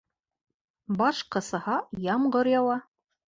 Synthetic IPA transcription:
bɑʃqɤ̆sɤhɑjɑmɢɤɾjɑwɑ

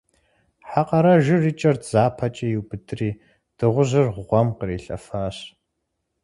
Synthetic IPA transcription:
ħaqɐɾɐʒɪriːt͡ʃʼɐrdz̥aːpʰɐt͡ʃʼɐjiwbɨdʰʼɨriː | d̥ɨʁʷʊʑɨrʁʷʊʁʷɔmqəɾiːɬʼɐ̰fɐɕ

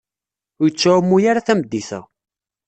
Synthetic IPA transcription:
ʊjət͡sːamːujaɾaθæmd̪ːiθæ̰

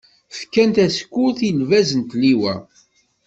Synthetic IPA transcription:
fkːænt̪æskːuθilvæzənt̪liwæ̰

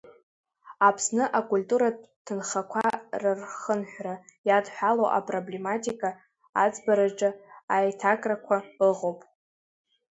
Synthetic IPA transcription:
apʰsnɨʔakʼulʲtʼuɾatʰɨnχakʷʰarɨrχənħʷᶣrajadħʷᶣalo̰ʔa̰pʼroble̞matʼikʼa | ad͡zbaɾaʈ͡ʂʼɨajtʰakʼrakʷʰaɨʁowpʼ

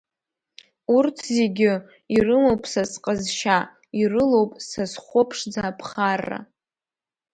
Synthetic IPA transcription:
urtʰzeɡʲɪ | irɨmowpʼsasqʼəzʃa | irɨlo̞wpʼsasχʷopʰʂd͡zaːpʰχarːa̰

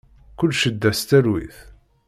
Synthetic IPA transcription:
kʊlːʃəd̪ːæst̪æɾwḭθ

